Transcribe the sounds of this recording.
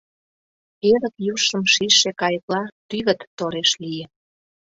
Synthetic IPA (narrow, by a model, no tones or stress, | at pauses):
eɾəkjuʃə̆mʃiʃekɑjəklɑt̪yɣə̆t̪ːoɾeʃlijə